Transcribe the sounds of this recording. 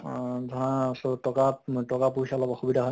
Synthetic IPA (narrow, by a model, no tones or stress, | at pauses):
zãsɔtɔkatɔkap̬usalɔbɔxubidʱaɦɔ